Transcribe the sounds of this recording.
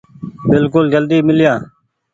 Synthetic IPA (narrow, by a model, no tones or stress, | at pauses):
bɪlkʊld͡ʒəld̪iːmɪlɪjãː